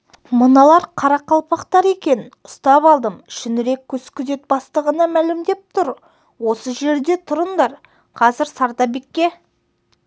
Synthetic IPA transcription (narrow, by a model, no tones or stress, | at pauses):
mənɑlˠɑɾqʰɑɾɑqɑlˠpɑqt̪ɑɾe̞kʲe̞nʊ̥st̪ɑpɑlˠd̪əmʃʏnɪɾe̞kʲʰːɵzkʲʰʏze̞t̪̚bɑst̪əʁənɑmælɪmd̪e̞p̚t̪ʰʊɾ | wo̞səʒe̞ɾd̪e̞t̪ʰʊɾənd̪ɑɾ | qʰɑzɪɾsɑɾt̪ɑbe̞kʲːe̞